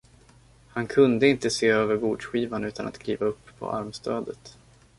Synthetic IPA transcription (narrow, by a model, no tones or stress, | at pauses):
hankʰɵnd̪əɪnt̪əseːøːvəɾɡuːɖʂɧiːvanʉ̟ːt̪ʰanʔa̰t̪kʰliːvaɵpːpʰːɔ̰ʔa̰ɾmst̪ʰøːd̪ət̪